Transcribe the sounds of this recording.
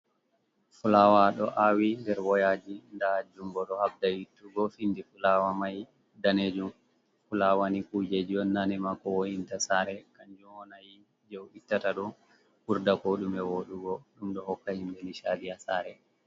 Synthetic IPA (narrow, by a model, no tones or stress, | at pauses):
fulawaɗɔʔawindɛɾwɔjad͡ʒindad͡ʒumɡɔɗɔhabdajitːuɡɔfindifulawamaj | daned͡ʒum | fulawanikud͡ʒed͡ʒiɔnːanɛmakɔwojintasaɾɛkaɲd͡ʒumɔnaj | d͡ʒɔwɗitːataɗɔ | huɾdakoɗumɛwoɗuɡɔɗumɗɔhɔkːahimbeniʃadijasaɾɛ